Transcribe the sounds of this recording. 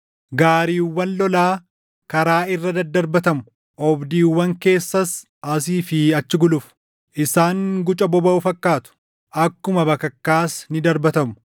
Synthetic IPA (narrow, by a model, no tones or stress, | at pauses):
ɡaːɾiːwːɐnlɔlaː | kɐɾaːɪrːɐd̪ɐd̪ːɐɾbɐt̪ɐmʊ | ʔɔbd̪iːwːɐŋke̞ːsːɐs | ɐs̬iːfɪɐt͡ʃːɪɡʊlʊf | ʔɪsaːŋɡʊt͡ʃʼɐbɔbɐʊfɐkːaːt̪ʊ̥ | ʔɐkːʊmɐbɐkɐkːaːsnɪd̪ɐɾbɐt̪ɐmʊ̥